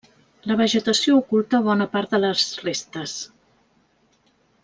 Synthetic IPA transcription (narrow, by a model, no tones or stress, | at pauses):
ləβ̞əʒət̪əsioukulˠt̪əβɔnəpaɾt̪̚ðələzrest̪əs